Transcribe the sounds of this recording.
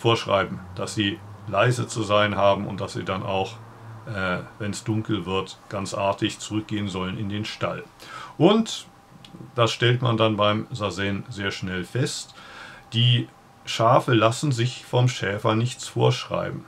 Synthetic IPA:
foːɐʃʁ̥a̰ɪbm̩d̥asz̥iːlaɪzət͡suzaɪənhaːbm̩ʊ̰nt̚d̥asz̥ḭːdana̰ʊx | ʔɛːvɛnsd̥ʊŋkl̩vɪɐtɡ̥ant͡sʔaɐtɪçt͡sʊʁʏk̚ɡ̥eːənzɔlənɪndeːnʃta̰lʔʊnt | d̥asʃtɛltmandanbaɪmzazɛnzeːɐʃnɛlfɛstd̥iː | ʃaːfəlasn̩zɪçfɔmʃɛːfɐnɪçt͡sfo̰ːɐʃʁ̥a̰ɪbm̩

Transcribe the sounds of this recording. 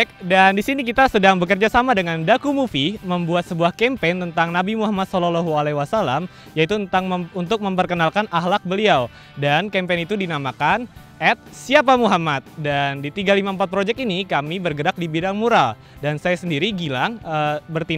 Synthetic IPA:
k̚dandisinikit̪asədaŋbəkərd͡ʒasamadəŋandakumufiməmbuat̪səbuahkɛmpent̪ənt̪aŋnabimuɦamat̪̚sɔlalɔɦualewasalam | jait̪unt̪aŋunt̪ʊk̚məmpərkənalkanʔaɦlak̚bəliaw | dankɛmpɛnit̪udinamakan | ɛt̪̚siap̬amuɦamat̪̚dandit̪iɡalimaəmpat̪̚pɾod͡ʒɛk̚inikamibərɡəɾak̚dibidaŋmuɾal | dansajasəndiɾiɡilaŋəbərt̪i

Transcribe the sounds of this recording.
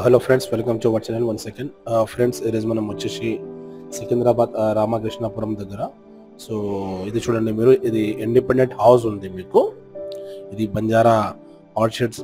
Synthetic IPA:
ɦeloːfʰɾeɳɖsʋelkɐmʈuʋɐʈt͡ʃɐnɐlʋɐnsekeɳɖpʰɾeɳɖseɾizmɐnɐmut͡ʃːɐʃisikend̪ɾaːbaːd̪ɾaːmakɾɪʂɳapuɾɐmd̪ɐɡːɐɾɐ | soːid̪it͡ʃuːɽɐɳɖimiːɾuʔid̪iiɳɖipeɳɖeɳʈhɐws̬und̪imiːku | id̪ibɐɲd͡ʒaːɾa | aːɾt͡ʃeʈs

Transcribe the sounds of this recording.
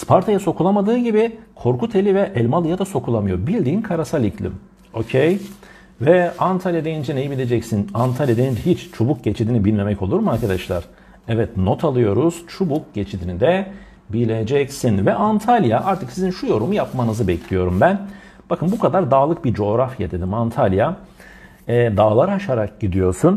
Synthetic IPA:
spʰaɾt̪ʰajaso̞kʰulˠamad̪ɯːɟibikʰo̞ɾkut̪ʰelʲivɛʔɛlʲmalˠɯjad̪aso̞kʰulˠamɯjo̞ɾbilʲd̪iːnkʰaɾasalʲiclʲḭm | o̞cʰej | vɛant̪ʰalʲjad̪ejind͡ʒɛnejibilʲe̞d͡ʒɛcsinant̪ʰalʲjad̪eninhit͡ʃt͡ʃʰobuk̚ɟe̞t͡ʃʰid̪inibilʲme̞mɛco̞lˠuɾmaɾkʰad̪aʃlˠa̰ɾ̥ | ɛvɛt̪no̞t̪ʰalˠɯjo̞ɾuz̥t͡ʃʰubuk̚ɟet͡ʃʰid̪inid̪ɛ | bilʲe̞d͡ʒɛcsinvɛʔant̪ʰalʲjaʔaɾt̪ʰɯksizinʃujo̞ɾumujapmanɯzɯbɛcʰlʲijo̞ɾumbæn | b̥akʰɯnbukʰad̪aɾd̪aːlˠɯk̚biɾd͡ʒo̞ːɾafjad̪e̞d̪imant̪ʰalʲja | ɛːd̪aːlˠaɾaaʃaɾak̚ɟid̪ijo̞ɾsun

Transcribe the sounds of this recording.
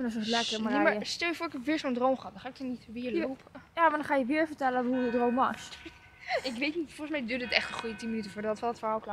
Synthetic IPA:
ndɔsɔlɛkəmimaɹjəstɛlˠjəfʊːɹɪkɛpʋɪːɹzondrowmχəɔt̚dɔ̃χaːɪk̚ɔnitʋɪːlopjaːʋndɔnχaːjəʋɪːɹvəɹtɛləɦuədrowmʋɔs | ɪkʋejtnitfɔlˠχəsmɛjdøːədəətɛχtəχujətinmənytəfʊːɹdɔtətfɛlˠətfəɹhaːlˠkla

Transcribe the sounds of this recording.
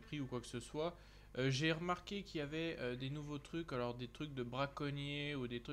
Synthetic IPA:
pχiukwaksəswa | øʒeʁəmaʁkʲekʲiljavɛød̪enuvot̪χykalɔʁd̪et̪χyk̚d̪əbʁakɔnjeud̪et̪χy

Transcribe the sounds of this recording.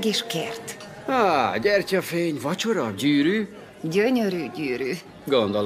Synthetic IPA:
ɡeːʃkeːrt̪ | aːɟɛrcɒfeːɲvɒt͡ʃoɾɒɟyːɾyː | ɟøɲøɾyːɟyːɾyː | ɡond̪ol

